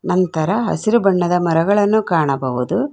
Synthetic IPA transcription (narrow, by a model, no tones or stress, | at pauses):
nɐnt̪ɐɾɐɦɐ̰siɾubɐɳːɐd̪ɐmɐɾɐɡɐɭɐnːukaːɳɐbɐʋud̪u